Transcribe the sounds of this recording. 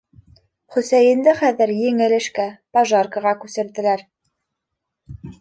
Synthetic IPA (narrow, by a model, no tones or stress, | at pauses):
χɵ̆sæjɘ̆nd̪ɘχæðɘɾjɘ̆ŋɘ̆lɘ̆ʃkæpɑʒɑɾkəʁɑkʉsɘ̆ɾd̪ɘ̆læɾ